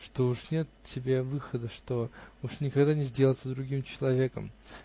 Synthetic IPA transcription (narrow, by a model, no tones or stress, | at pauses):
ʂt̪o̞uʂnʲe̞t̪tʲːɪbʲe̞vɨxəd̪əʂt̪o̞uʂnʲɪkaɡd̪anʲɪzʲdʲelˠt̪səd̪ɾʊɡʲimt͡ɕɪlˠɐvʲe̞kə̰m